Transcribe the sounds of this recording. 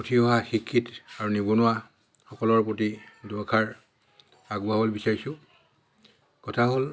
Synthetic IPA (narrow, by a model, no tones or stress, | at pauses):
utʰiɦɔɦaxikʰːitaɹunibɔnʊwa | xɔkɔlɔɹpot̬idɔkʰaɹ | aɡuabolbisaɹisʊ̃ | kɔtʰaɦol